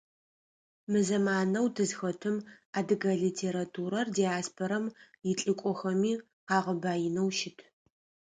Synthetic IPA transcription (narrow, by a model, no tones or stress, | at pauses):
mɨzɐmaːnɐwtʰɨzxɐtʰɨm | aːdɨɡɐɮitʰeːɾatʰuːɾɐrdijaːspʰoɾɐm | jɪɬʼɨkʷʼɔxɐmiː | qɑːʁɐbaːjɪnɐwʃɪtʰ